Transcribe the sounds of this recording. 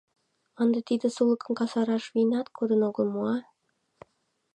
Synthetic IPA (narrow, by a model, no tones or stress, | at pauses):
ɑnd̪ɑt̪id̪ə̆sulˠɤkɤnkɑsɑɾɑʃvinɑt̪kʰud̪ə̆noɣə̆lˠmuɑ